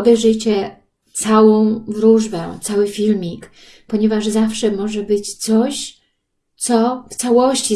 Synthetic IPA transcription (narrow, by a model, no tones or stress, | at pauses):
bɛʐɘt͡ɕɛ | t̪sawɔ̃w̃vɾuʐbɛ̃t̪sawɘfʲilmʲik | pɔɲɛvaʐzafʂɛmɔʐɛbɘt͡ɕt̪sɔɕ | t̪sɔft̪sawɔɕt͡ɕi